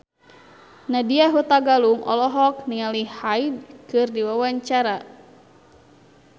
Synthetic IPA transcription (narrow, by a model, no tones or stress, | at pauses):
nadiaɦut̪aɡaluŋʔɔ̰lɔɦɔk̚niŋalihhaidkɨrdiwawaɲt͡ʃaɾa